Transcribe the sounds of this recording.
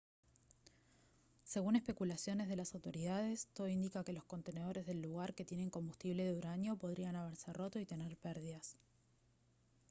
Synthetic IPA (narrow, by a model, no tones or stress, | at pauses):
se̞ɣune̞hpe̞kulasjo̞ne̞zð̞elasawt̪o̞ɾiðað̞e̞st̪oðo̞ind̪ikake̞lo̞sko̞nt̪e̞ne̞ð̞o̞ɾe̞zðe̞lːuɣ̞aɾke̞t̪je̞ne̞ŋko̞mbust̪iβle̞ðeuɾaɲjo̞po̞ð̞ɾianaβ̞eɾsero̞t̪o̞it̪e̞neɾpɛɾðiðas